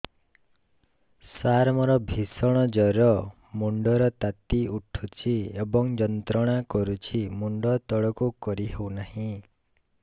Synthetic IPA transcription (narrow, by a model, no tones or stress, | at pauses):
saɾmɔɾɔbʱisɔɽ̃ɔd͡ʒɔɾɔ | muɳɖɔɾɔt̪at̪iuʈʰut͡ʃʰiebɔŋd͡ʒɔnt̪ɾɔɽ̃akɔɾut͡ʃʰimuɳɖɔt̪ɔɭɔkukɔɾiɦewnahĩ